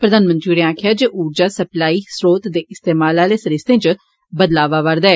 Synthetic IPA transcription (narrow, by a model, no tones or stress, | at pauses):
pɾəd̪aːnmə̃nt̪ɾiuɾeãːkʰjaːd͡ʒeʔuːɾd͡ʒaːsəplaːiːsɾoːt̪d̪eːʔɪst̪eːmaːlaːleːsəɾɪst̪ẽːt͡ʃ | bəd̪laːʋaːʋəɾd̪aɛː